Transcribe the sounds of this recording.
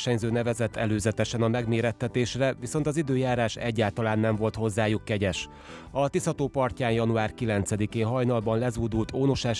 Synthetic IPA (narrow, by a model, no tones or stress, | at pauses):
ʃɛɲzøːnɛvɛzɛt̪ːɛløːzɛt̪ɛʃɛnɒmɛɡmeːɾɛt̪ːɛt̪eːʃrɛvʋiso̞nt̪ɒzid̪øːjaːɾaːʃɛ̰ɟːaːlt̪ɒlaːnːɛɱvo̞lt̪ho̞zːaːjukːɛɟɛʃ | ɒt̪ishɒt̪oːpɒrcaːnjɒnuaːrkilɛnt̪sɛd̪ikeːɦɒjnɒlbɒnlɛzuːd̪ult̪oːno̞ʃaːʃ